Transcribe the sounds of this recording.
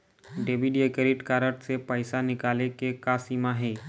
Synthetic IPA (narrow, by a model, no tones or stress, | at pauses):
ɖeʋiɖiekəɾiʈkaɾəʈ̚t͡sepəjsanikalekekasimaɦe